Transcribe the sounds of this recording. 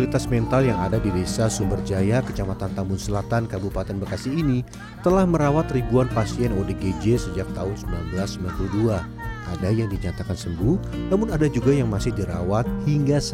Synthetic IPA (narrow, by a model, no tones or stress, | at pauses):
lit̪asmɛnt̪aljaŋadabidesasumbərd͡ʒajakət͡ʃamat̪ant̪ambʊnsəlat̪ankabupat̪ɛnbəkasɪini | t̪əlahməɾawat̪ribuanpasiɛnodeɡed͡ʒesəd͡ʒak̚t̪aʊnsəmbilanbəlasːəmilanpludua | adajaŋdiɲat̪akansəmbunamʊnadad͡ʒuɡajaŋmasɪhdiɾa̰wat̪̚hiŋɡas